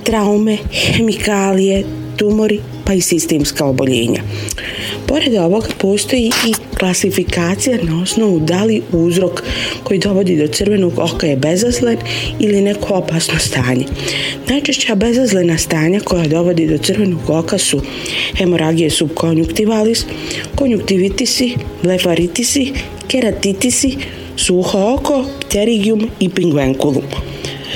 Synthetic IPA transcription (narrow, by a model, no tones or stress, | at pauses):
t̪ɾaume̞xemikaːlije̞ | t̪umo̞ɾi | paisist̪e̞ːmskaobo̞ʎḛːɲa̰ | po̞ɾe̞d̪o̞ʋo̞ɡapo̞ːst̪o̞jiiklasifikaːt̪sijanao̞sno̞ʋud̪aliuːzɾo̞kːo̞jid̪o̞ʋo̞d̪iːd̪o̞t̪sɨrʋe̞no̞ɡokajebe̞zazlenilinekoopaːsnost̪aːɲe̞̰najt͡ʃeʃt͡ɕabe̞zazlenast̪aːɲako̞jad̪o̞ʋo̞d̪id̪o̞t̪sɨrʋe̞no̞ɡo̞kasu | he̞moɾʔaɡijesubkʰonjukt̪iʋalis | ko̞njukt̪iʋit̪isiblefaɾit̪isi | keɾat̪it̪isi | suxooko̞pt̪eɾiɡijumipiŋɡʋeŋkulˠum